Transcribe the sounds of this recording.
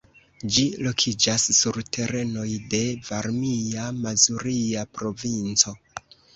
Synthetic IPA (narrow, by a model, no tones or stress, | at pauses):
d͡ʒilo̞kʰid͡ʒasːuɾtʰe̞ɾe̞no̞jde̞vaɾmiamazuɾiapɾo̞vint͡so̞